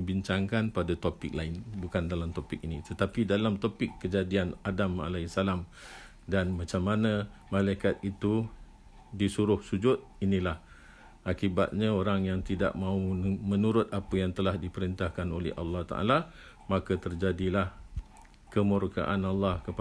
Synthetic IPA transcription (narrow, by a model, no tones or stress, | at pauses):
əbiɲt͡ʃaŋkanpadat̪opɪk̚laɪnbukandalamt̪opɪk̚init̪ət̪apidalamt̪opɪkːəd͡ʒadianadama̰lasalam | danmãt͡ʃamːanə̃ | malaikat̪̚it̪u | disuɾʊhsud͡ʒʊt̪̚inĩlah | ʔakiba̰t̪̚ɲãoɾaŋjaŋt̪ida̰ʔmãumə̃nuɾʊt̪̚apəjaŋt̪əlahdipəɾint̪ahkanolɛ̰ha̰lːɑht̪a̰ʔa̰la | makət̪ərd͡ʒadilah | kəmuɾka̰ʔanalːɑhkəp